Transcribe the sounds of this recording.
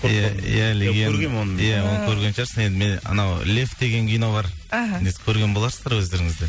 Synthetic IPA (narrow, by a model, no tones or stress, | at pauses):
jæjæleɡʲenɾɡʲenonəjæwonˠkʲʰɵɾɡʲenʃɑɾsəne̞nd̪ɪme̞nə̰nɑwlʲe̞ft̪̚d̪e̞ɡʲe̞ŋɡʲʰijno̞bɑɾnesɪ̥kʲʰɵɾɡʲe̞nbolˠɑɾsəzd̪ɑɾwɵzd̪eɾɪŋɪzd̪e